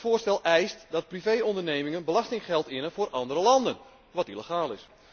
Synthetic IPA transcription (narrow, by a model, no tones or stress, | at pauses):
fʊːrstɛlˠʔɛjstdɑt̚privejɔndərneːmɪŋənbəlɑstɪŋχɛlˠtɪnəfʊːɾʔɑndəɾəlɑndən | ʋɑtiləχaːlˠɪs